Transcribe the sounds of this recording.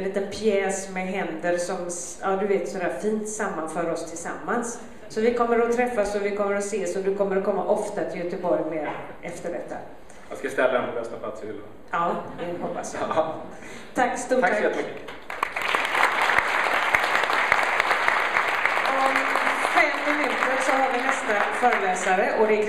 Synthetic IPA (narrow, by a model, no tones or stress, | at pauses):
nliːt̪ənpʰjɛːsmɛɦɛnd̪əɾsɔm | ɑːd̪ɵveːt̪sɔd̪æːɾfiːnt̪samːanfœːɾɔst̪ʰɪlsamːansː | ɔvɪkʰɔmːəɾɔt̪ʰɾɛfːasɔvɪkʰɔmːəɾɔseːsɔd̪ɵkʰɔmːəɾɔkʰɔmːaʔɔft̪at̪ʰɪljœt̪əbɔɾjmeːɾ | ʔɛft̪əɖɛt̪ʰːa̰ | askaɪst̪ɛlːaɛnpʰɔbɛst̪apʰlat̪sɪhɪlːa̰ | ɑːɛhɔpːa̰s | t̪ʰakːst̪uːaɛt̪mʏkːə | ɔmfɛmt̪ɔmɪnʉ̟ːt̪ːəɾsɔɦaɾvɪnɛst̪afœːɾəlɛːsaɾəʔɔd̪ɛk